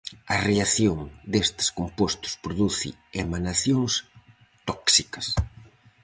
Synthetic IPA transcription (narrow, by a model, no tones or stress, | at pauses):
ɐreaθjoŋd̪est̪ɪ̥skompost̪ʊ̥spɾoðuθɪ̰emanaθjoŋs | t̪ɔksikɐs